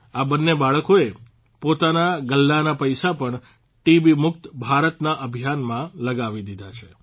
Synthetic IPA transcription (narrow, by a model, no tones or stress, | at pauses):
abənːebaɭkoe | pot̪anaɡəlːanapəjsapəɳ | ʈibimʊk̚t̪bʱaɾət̪naʔəbʱijanmãləɡaʋid̪id̪ʱat͡ʃʰe